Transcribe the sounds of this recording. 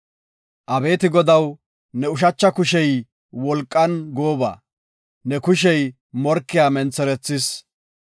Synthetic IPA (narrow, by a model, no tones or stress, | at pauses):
ʔɐbe̞ːt̪ɪɡɔd̪ɐw | nɛʊʃ̬ɐt͡ʃːɐkʊʃɛj | wɔlkʼːɐnɡoːba̰ː | nɛkʊʃɛj | mɔɾkːɪjaːmɛnt͡sːɛɾɛt͡sːɪs